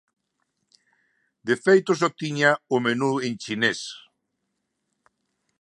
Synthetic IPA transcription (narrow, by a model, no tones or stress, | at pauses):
d̪efejt̪ʊs̬ɔt̪iɲaʊmenuent͡ʃines